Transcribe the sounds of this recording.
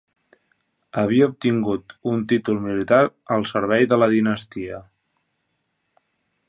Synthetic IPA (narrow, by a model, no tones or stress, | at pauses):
əβ̞iəup̚t̪iŋɡut̪unt̪it̪ulˠmilit̪aɾəlˠsəɾβ̞ɛjðələðinəst̪iə